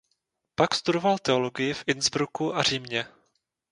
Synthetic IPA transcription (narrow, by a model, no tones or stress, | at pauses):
pakst̪udo̞valt̪ɛo̞lo̞ɡɪjɪfʔɪnzbɾukuʔar̝iːmɲɛ